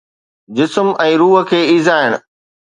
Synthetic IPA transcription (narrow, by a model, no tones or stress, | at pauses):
d͡ʑɪsmɛ̃ːɾuːɦə̆kʰeːiːzaːɪɽ̃ʊ